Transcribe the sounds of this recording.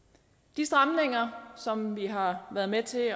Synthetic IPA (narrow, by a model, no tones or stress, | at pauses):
d̥isd̥ʁɑ̈mne̝ŋɐsɒ̽mʋiɦɑ̈ʋæːɐð̞̩ˠmet͡sʰe̝